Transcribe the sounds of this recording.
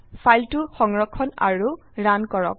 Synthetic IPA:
fʰajltuxɔŋɹɔkʰːɔna̰ɹu | ɹankɔɹɔ̰k̚

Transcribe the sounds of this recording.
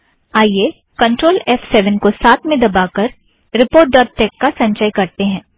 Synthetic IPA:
aːie | kɐ̃ɳʈɾoːlɛfsɛʋənkosaːt̪ʰmẽd̪ɐbakɐɾ | ɾɪpoːɾʈ̚ɖɔːʈːɛːkːasɐ̃ɲt͡ʃəjkɐɾt̪eɦɛ̃ː

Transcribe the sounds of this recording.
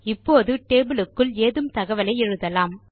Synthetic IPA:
ɪpːoːðɯʈeːbɯlɯkːɯleːðɯmt̪ɐɣɐʋɐlɐɪɛɻɯðɐlaːm

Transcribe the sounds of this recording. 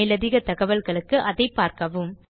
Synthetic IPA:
lɐðɪɣɐt̪ɐɣɐʋɐlɣɐɭɯkːɯʔɐðɐɪpːaːɾkɐʋɯm

